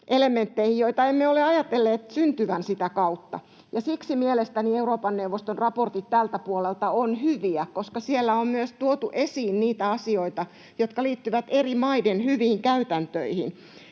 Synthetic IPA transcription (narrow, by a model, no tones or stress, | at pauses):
ʔelemːˑent̪ːeihijoit̪ɑemːeoleɑjɑt̪elːeːt̪synt̪yʋænsit̪ækɑut̪ːɑ̰ | jɑsiksimielest̪ænieuroːpɑnneuʋːost̪onrɑport̪it̪t̪ːælt̪æpuolelt̪ɑonhyʋiækoskɑsielːæommyøst̪uot̪uʔesiːnniːt̪æɑsioit̪ɑ | jot̪kɑliːt̪ːyʋæt̪erimɑidenhyʋiːŋkæyt̪ænt̪øihḭn